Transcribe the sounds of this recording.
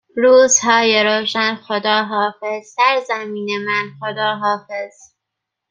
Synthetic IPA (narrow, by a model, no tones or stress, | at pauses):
ɾuːzhɒːjeɾoːʃænxod̪ɒːɦɒːfezsæɾzæmiːnemænxod̪ɒːɦɒːfez̥